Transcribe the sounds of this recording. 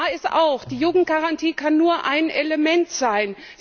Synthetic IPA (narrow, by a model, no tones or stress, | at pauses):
ɪstʔa̰ʊxd̥iːjuːɡŋ̩t̚ɡ̥aʁantʰiːkʰanːuːɐʔa̰ɪnʔeləmɛntz̥aɪn